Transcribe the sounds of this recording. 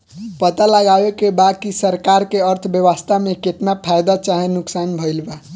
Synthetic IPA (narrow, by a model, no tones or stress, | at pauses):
pət̪aləɡabekebad̪̚kisəɾkaɾkeəɾt̪ʰbjəʋəst̪ʰameket̪napʰajd̪at͡ʃaɦenuksanbʱəjlba